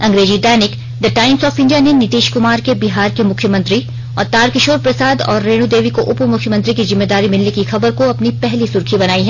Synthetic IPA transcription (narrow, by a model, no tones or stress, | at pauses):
ɐ̃ŋɡɾeːd͡ʒiɖaːnɪk | d̪ɐʈaːɪmsɔːfɪ̃ɳɖijanenɪt̪iːʃkʊmaːɾkebɪɦaːɾkemʊkʰjəmɐ̃nt̪ɾi | ɔːɾt̪aːɾkɪʃoːɾpɾɐsaːd̪ɔ̰ːɾːeːɽ̃ũd̪eːʋikoʔʊpmʊkʰjəmɐ̃nt̪ɾikizɪmːeːd̪aːɾimɪlnekixɐbəɾkoɐpnipɛɦlisʊɾkʰibɐnaːiɦɛ